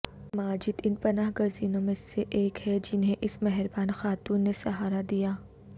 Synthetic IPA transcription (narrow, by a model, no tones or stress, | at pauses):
maːd͡ʒɪd̪ɪnpɐnaːɦɡɐziːnõmẽseʔeːkhɛd͡ʒɪnɦẽʔɪsmɛɦɾbaːnxaːt̪uːnːesɐɦaːɾad̪ijaː